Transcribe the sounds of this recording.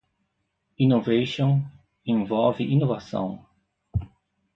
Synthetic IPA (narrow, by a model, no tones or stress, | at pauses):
inovejʃõ | ẽvɔlvɪʔinovasɐ̰̃w̃